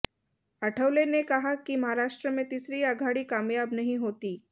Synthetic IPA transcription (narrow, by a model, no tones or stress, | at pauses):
aʈʰəʋlenekəɦakiːməɦaɾaʂʈɾəmẽt̪isɾiːaɡʱaɽiːkamjabnəɦĩɦot̪iː